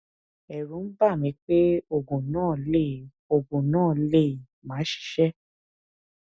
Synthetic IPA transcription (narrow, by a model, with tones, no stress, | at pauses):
ɛ˨ɾũ˨˦n̩˦ba˦˨mĩ˨˧˦k͡pe˦o˦˨ɡõ˨nãː˦˨le˦˨ | o˨ɡõ˨nãː˦˨le˦˨ | mãː˨˦ʃi̥˨˧˦ʃɛ˦